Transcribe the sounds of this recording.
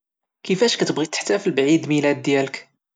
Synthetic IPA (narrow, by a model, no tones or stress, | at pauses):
kəfæʃkæt̪əbɣit̪ːə̥ħt̪æfilbʕid̪milæd̪ːjælək